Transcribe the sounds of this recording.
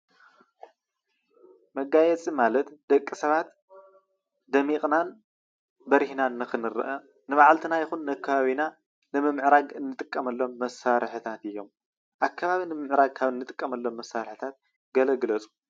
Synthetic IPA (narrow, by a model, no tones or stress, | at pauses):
mɐɡajɛt͡sʼimalɐt̪d̪̥ɐkʼːisɐβat̪ | d̪ɐmiqʼnan | bɐɾihnanːɨxɨnɨɾɨ̰ʔɐ | nɨβaʕalt̪ʰinajɪxunːakːɐβaβina | nɨmɨmʕɾaɡɨnːɨt̪ʼɨkʼːɐmɐlːo̞mːɐsaɾħɨt̪ʰat̪ɨjːo̞m | ʔakʰːaβaβinɨmɨmʕɨɾaɡ̚kʰaβɨnːɨt̪ʼɨkʼːɐmɐlːo̞mːɐsːaɾħɨt̪ʰat̪̚ | ɡɐlɐɡlɐt͡sʼu̥